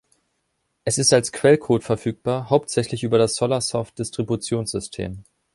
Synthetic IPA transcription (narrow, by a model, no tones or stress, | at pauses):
ʔɛsɪstalskv̥ɛlkʰoːtfɛɐfyːk̚b̥aːɐɦaʊptz̥ɛçlɪçʔyːbɐɾasz̥ɔlasɔft̚d̥ɪstʁ̥ibut͡sjoːnsz̥ʏstʰḛːm